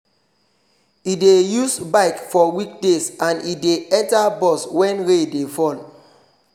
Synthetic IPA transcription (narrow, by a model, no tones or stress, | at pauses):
idejusbaɪkfɔwik̚desãnideɛ̃ntabɔswɛ̃nɹedefɔl